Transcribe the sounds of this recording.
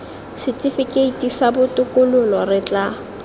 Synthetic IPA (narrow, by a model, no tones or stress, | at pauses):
sɪtʼɪfɪkʼeitʼisabʊtʼʊkʼʊlʊlɔrɪt͡ɬʼa